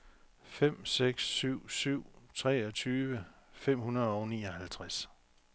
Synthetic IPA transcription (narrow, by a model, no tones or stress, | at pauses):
fem̰seɡ̥sːyʊ̰syʊ̰t͡sʰʁɛːɒt͡sʰyːʋəfem̰hunɐðˠɒʊniːɒ̽hælt͡sʰʁas